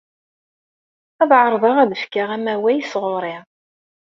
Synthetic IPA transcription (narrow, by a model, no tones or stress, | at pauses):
æðʕəɾˤðˤɑʁæðəfkaʁæmæwæjsʁʊɾˤɪʁ